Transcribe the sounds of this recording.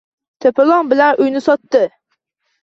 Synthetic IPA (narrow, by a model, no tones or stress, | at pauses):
t̪ʰepɪlˠɒŋbɪlanʔʊjnɪsɒt̪ːɪ